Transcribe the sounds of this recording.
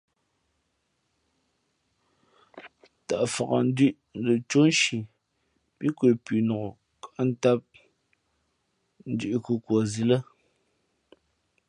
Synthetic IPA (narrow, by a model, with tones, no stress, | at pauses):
ta˨ʔfa˨ɣa˨n̩˦di˦ʔ | n˨˦lə˨t͡ʃo˦n˦ʃi˨ | pi˦kwe˨pi˨nɔ˨ɣo˨ | ka˨ʔn̩˦ta˦p̚ | n̩˦di˦ʔku˨kwɔ˨zi˨lə˦